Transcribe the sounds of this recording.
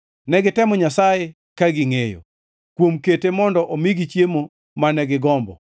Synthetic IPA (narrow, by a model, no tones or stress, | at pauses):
nɛɡɪtɛmɔɲasaje | kaɡiŋejo̰ | kwomketemɔndɔʔomiɡit͡ʃjemo | manɛɡɪɡɔmbɔ̰